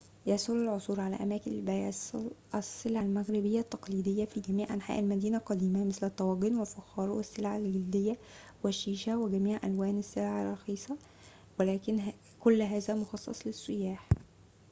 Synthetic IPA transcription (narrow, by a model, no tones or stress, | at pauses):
jɑsˤolɪlʕosˤuːɾʕalæ̰ʔæmæːkɪnlbæjæslʔæsːɪlʕalmæɣɾɪbɪjːæt̪ːɑqliːd̪ejːæfiːɡæmiːʕʔænħa̰ːʔælmæd̪iːnælqɑd̪iːmæmɪslæt̪ˤːɑwɑːɡenwelfɑxɑːɾˤwesːelʕalɡɪld̪ɪjːæ | wɪʃːiːʃæwɪɡæmiːʕʔæ̰lwæːnɪsːelʕarˤːɑxiːsˤɑ | wɪlæːkɪn | kolːɦæːzæmoxɑsˤːɑ̰sˤlɪsˤːʊjaːħ